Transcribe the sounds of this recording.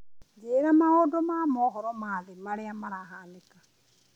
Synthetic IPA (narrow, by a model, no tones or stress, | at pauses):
d͡ʒeɾamaodɔmamɔɦɔɾɔmaːðemaɾeamaɾaɦaːneka